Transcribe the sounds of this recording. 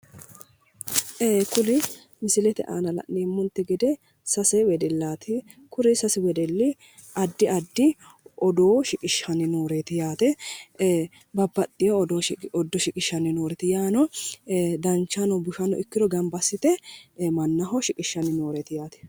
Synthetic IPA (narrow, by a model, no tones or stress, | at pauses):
kʊlɪ | mɪsɪlɛt̪ɛ̰ʔa̰ːnɐlɐ̰ʔniːmːʊnt̪ːɛɡɪd̪ɛ | sɐsɛwɛd̪ɛlːaːt̪ɪ | kʊɾɛsɐsɪwɛd̪ɛlːɪ | ʔɐd̪ːɪɐd̪ːɪ | ʔɔd̪oːʃɪkʼɪʃɐnɪnoːɾet̪ɪjaːt̪ɛ | bɐbːɐɗɪjɔɔd̪ːɔʃɪkʼɪʃːɐnːɪnoːɾɛt̪ɪjaːnɔ | d̪ɐnt͡ʃːɐnɔbʊʃɐnɔʔɪkːɪd̪ɔɡɐmbɐsːɪt̪ɛmɐnːɐɦɔʃɪkʼɪʃːɐnɪnoːɾet̪ɪjaːt̪ɛ̥